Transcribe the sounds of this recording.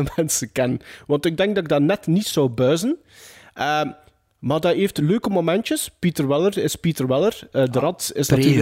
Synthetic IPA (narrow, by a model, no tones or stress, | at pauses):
əmɛnsəkɛnənʋɑntɪɡ̚dɛŋɡ̚dɑtɪɡ̚daːnɛtnitsɔwbœːzən | ʔəː | maːrdɑeːftløːkəmomɛntjəspitərʋɪlərɪspitərwɪlərədəɾɑtsɪsnɑy